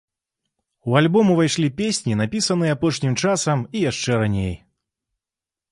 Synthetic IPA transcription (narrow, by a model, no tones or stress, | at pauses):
ualʲbɔmuvajʂlʲipʲesʲnʲinapʲisɐnɨjɛapɔʂnʲimt͡ʂasɐmijaʂt͡ʂɛɾanʲej